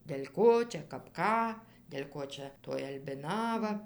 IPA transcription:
dʲɛlʲ ˈkoː ˈt͡ʃʲɛ kɐp ˈkɑː dʲɛlʲ ˈkoː t͡ʃʲɛ toːj ɐlʲbʲɪˈnɑːʋɐ

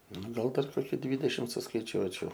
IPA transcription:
ˈnʊ ˈɡɐlˠ dɐr ˈkoːkʲɪ ˈdʲʋʲiːdʲɛʃʲɪm sʊskɐɪˈt͡ʃʲuɔt͡ʃʲɛʊ

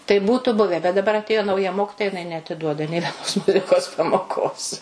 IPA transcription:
tɐɪ ˈbuːtʊ ˈbʊʋʲɛ bʲɛt dɐˈbɐr ɐtʲˈeːjoː nɐʊˈjɛ ˈmoːkʲɪtoːjɛ jɪˈnɐɪ nʲɛɐtʲɪˈduɔdɐ nʲeː ʋʲɛˈnoːs ˈmʊzʲɪkoːs pɐmoːˈkoːs

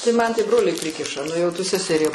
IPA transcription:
tɐɪ mɐn tɐɪ ˈbroːlʲɛɪ ˈpʲrʲɪkʲɪʃɐ ˈnʊ jɛʊ ˈtʊ sʲɛsʲɛˈrʲiɛ

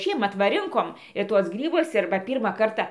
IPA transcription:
ˈʃʲiɛmɐt ʋɐ ˈrʲɪŋkoːm ɪr ˈtuɔs ˈɡrʲiːbʊs ˈɪr bɐ ˈpʲiːrmɑː ˈkɐrtɐ

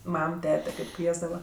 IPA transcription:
ˈmɐm ˈtʲæːtʲɛ ˈkɐɪp ˈkʋʲiɛzdɐʋɐ

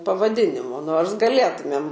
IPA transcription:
pɐʋɐˈdʲɪnʲɪmoː ˈnoːrs ɡɐˈlʲeːtʊmʲeːm

